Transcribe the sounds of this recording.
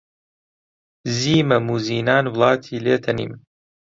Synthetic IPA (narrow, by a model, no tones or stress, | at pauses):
ziːmɐmuːziːnaːnwlˠɑːt̪ʰiːleːt̪ʰɐnḭːm